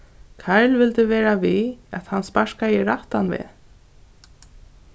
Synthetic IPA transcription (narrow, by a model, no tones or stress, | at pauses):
kʰaɹlvɪlt̪ɪvɛːɾaviɛðhanːspaʂkajɪɾaht̪anvɪ̰